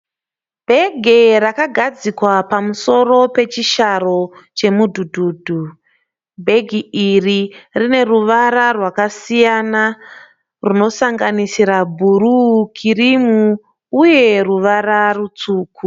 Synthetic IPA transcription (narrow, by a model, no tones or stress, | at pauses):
bʱe̞ɡʱerakaɡʱad͡zikwapamuso̞ɾo̞pe̞t͡ʃiʃaro̞t͡ʃe̞mudʱudʱuːdʱu | bʱe̞ɡʱiiririne̞ruʋaɾarwakasijana | runo̞saŋɡanisiɾabʱuɾukʰirimuː | je̞ruʋaɾarut͡suːku